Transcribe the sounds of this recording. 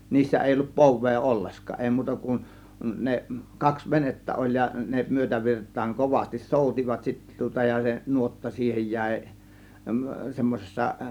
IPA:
niːsːæ eˑi olːup poʋˑeː olːeskˑɑː eˑi muːtɑ kun ne kɑks ʋenetːæ olʲ jɑ ne myøtæʋirtˑɑːŋ koʋɑstis soˑutʲiʋɑt sitːæ tŭŏtɑ jɑ se nuotːɑ siːhej jæˑe̝ semːosesːɑ

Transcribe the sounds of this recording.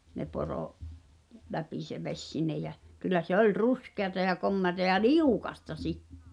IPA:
ne poroʔ læpi se ʋesʲ sinːej̆ jæ kylːæ se olʲ ruskeɑtɑ jɑ komːeɑtɑ jɑ liukɑstɑ sitːĕ̥

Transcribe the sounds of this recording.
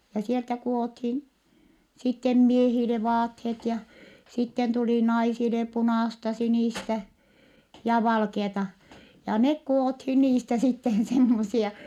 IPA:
jɑ sieltæ kuothin sitːem miehile ʋɑːthet jɑ sitːen tuli nɑisile punɑˑstɑ siniˑstæ jɑ ʋɑlkeɑtɑ jɑ nek kuothin niːstæ sitːen semːosiɑ

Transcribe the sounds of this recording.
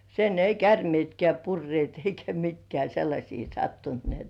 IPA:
sen ei kærmĭeˑtkĕæˑ purːĭeˑt eikæ mitkĕæˑ selːɑsʲiː sɑtːunt ni et

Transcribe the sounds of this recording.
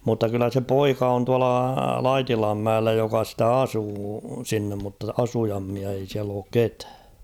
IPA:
mutːɑ kylːæ se poikɑ on tuɑlɑ lɑitilɑmːæelːæ jokɑ stæ ɑsuː sinːem mutːɑ ɑsujɑmːiɑ ei siæl oːk ketæ̥ː

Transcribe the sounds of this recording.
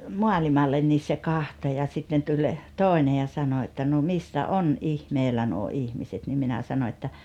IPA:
moɑlimɑlːen nis se kɑhto jɑ sitːen tulʲ toˑene jɑ sɑno etːæ no misːæ ʔon ʔihmeːlæ nuo ihmiset nim minæ sɑno etːæ

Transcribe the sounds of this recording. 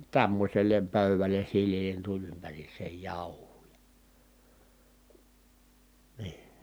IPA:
tæmːosʲelˑem pøˑyʋælˑen̞ silːiːlˑen tulʲ ympæriːsˑeːj jɑˑuhˑuː jɑ̥ niː

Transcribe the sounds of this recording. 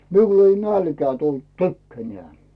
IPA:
miul ei nælkĕæː tult tykːænĕæˑ

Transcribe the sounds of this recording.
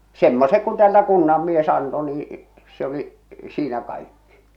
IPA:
semːosek ku tĕæːltæ kunːɑmːies ɑnto niː se oli siːnæ kɑikːi̥

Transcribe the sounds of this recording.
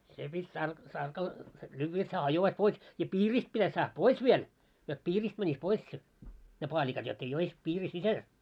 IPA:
se pitʲ tɑrk tɑrkɑl lyːʋːæ jot hæː hɑjoʋɑis pois jɑ piːrist pitæs sɑːh pois ʋiel jot piːriːst mænʲis pois se ne pɑːlʲikɑt jot ei ois piːri sisæl

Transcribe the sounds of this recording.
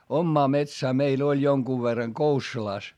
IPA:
omːɑː metsæː meil olʲ joŋkuʋ ʋerːɑŋ kousːulɑˑs

